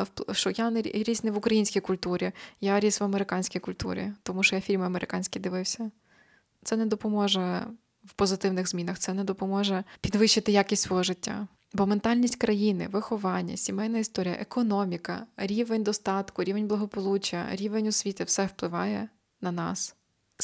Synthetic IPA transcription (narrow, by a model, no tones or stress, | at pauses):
wpʃɔjanɾʲiznɛʋʊkɾɐjinʲsʲkʲijkʊlʲt̪uɾʲijaɾʲisʋɐmeɾɪkɑnʲsʲkʲijkʊlʲt̪ṵɾʲḭt̪ɔmuʃɔjafʲilʲmɪɐmeɾʔɪkɑnʲsʲkʲid̪ɪʋɪwsʲɐ | t̪sɛnɛd̪ɔpɔmɔʒɛ | wpɔzɪt̪ɪwnɪɣzmʲinɐxt̪sɛnɛd̪ɔpɔmɔʒɛpʲid̪ʋɪʃt͡ʃːɪt̪ɪjakʲisʲtʲsʋɔɦɔʒɪtʲːa̰ | bɔment̪ɑlʲnʲisʲtʲkɾɐjinɪ̰ʋɪxɔʋɑnʲːɐ̰sʲimɛjnɐist̪ɔɾʲijɐ̰ʔekɔnɔmʲikɐɾʲiʋenʲd̪ɔst̪ɑt̪kʊɾʲiʋenʲblˠɐɦɔpɔlˠut͡ʃɐ̰ɾʲiʋenʲɔsʲʋʲit̪ɪwsɛwplˠɪʋɑjɛ | nɐnɑ̰s